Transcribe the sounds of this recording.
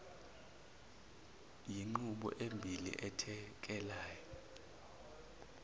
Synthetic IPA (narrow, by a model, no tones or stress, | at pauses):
jiŋ͡ǃuɓɔ̰ʔembʱilḭʔɛtʰɛk̬ɛlaːjɔ